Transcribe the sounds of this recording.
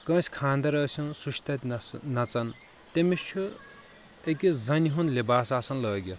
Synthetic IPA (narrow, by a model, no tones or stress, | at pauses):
kɐ̃ːsʲkʰaːnd̪ɐɾɐːsunsuʃt̪ɐt̪ʲnɐt͡sɐn | t̪emist͡ʃʰu | ekʲizɐniɦunlebaːsaːsɐnlʌːɡʲjo